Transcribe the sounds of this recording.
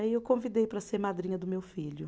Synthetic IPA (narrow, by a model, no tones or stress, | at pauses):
ɪewkõvid̪ejpɾɐseɾmad̪ɾĩɲɐd̪ʊmewfiʎʊ